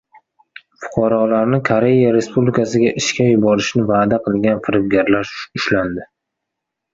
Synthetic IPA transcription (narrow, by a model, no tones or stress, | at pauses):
fʊ̥qʰɑɾɒlaɾnɪkʰoɾe̞jaɾe̞spublikʰasɪɡʲaʔɪʃkʲajʊbɒɾɪʃnɪvaːd̪aqʰɨlˠɡʲanfɪɾɪbɡʲaɾlaɾɪʃland̪ɪ